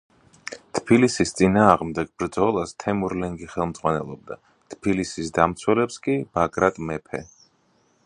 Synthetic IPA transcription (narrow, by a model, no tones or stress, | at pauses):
t̪ʰbilisist̪sʼinaːʁmd̪ɛɡ̥bɾd̪zɔlˠast̪ʰɛmuɾlɛŋɡiχɛlˠmd̪z̥ʁwanɛlˠɔb̚d̪a | t̪ʰbilisisd̪amt̪sʰwɛlɛpskʼib̥akʼɾat̪ʼmɛpʰɛ